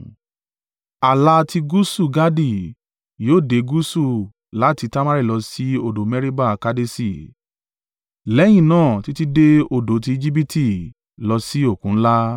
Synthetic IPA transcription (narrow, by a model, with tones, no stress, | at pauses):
a˨la˧ti˧ɡu˦su˦˨ɡa˦di˦˨ | joː˦˨de˨˦ɡu˦su˦˨ | la˨˦ti˧ta˦ma˦ɾi˦˨lɔ˧si˦o˦˨do˨˦mɛ˦ɾi˦ba˦˨ka˦de˦si˦˨ | lɛ˨˦j̃ĩ˦˨nãː˦˨ti˨˦ti˦de˦o˨do˨˦t̬i˧i˧d͡ʒi˦b̬i˦ti˦˨ | lɔ˧si˦o˦˨kũ˨˦la˦